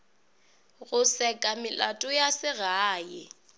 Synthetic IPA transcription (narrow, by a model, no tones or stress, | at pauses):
ɣʊsɛkʼamɪlatʼʊjasɪɣaːjɪ